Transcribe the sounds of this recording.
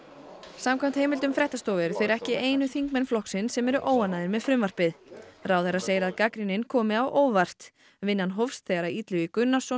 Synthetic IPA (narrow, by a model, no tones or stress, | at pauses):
samkʰvam̥t̪hejmɪlt̪ʏmfɾɛht̪ast̪oːwvɛɾʏθejɾɛhcɪeːjnʏθiŋk̚mɛnflɔhksɪnsɛmɛɾʏʔoːwanːaːðɪɾmɛðfɾʏmvar̥pɪðrawθɛɾaseːjɾɪaðkakɾinɪnkʰɔːmɪawʔoːwvar̥t̪ | vɪnːanɦɔfst̪θeɣaɾait̪lʏvikʏnːasɔ